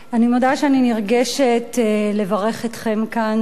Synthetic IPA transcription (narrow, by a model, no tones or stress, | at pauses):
animodaʃeaniniʁɡeʃetle̞vaʁe̞χetχe̞mkan